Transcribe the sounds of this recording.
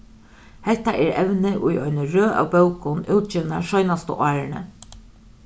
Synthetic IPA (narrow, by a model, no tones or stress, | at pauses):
hɛht̪aʔɛɾɛʋnɪʔʊjɔʏnɪɹøːʔa̰wpœwkʊnuːt̪̚t͡ʃiːʋnaʃɔʏnast̪ə̰ʔɑːɹɪnə̰